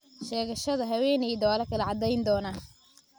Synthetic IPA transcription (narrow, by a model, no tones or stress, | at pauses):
ʃɛːɣɐʃɐðɐɦɐwɛːnɛjd̪ɐaːlɐkʰɐlɐʕɑd̪ɛjnd̪ɔːnaː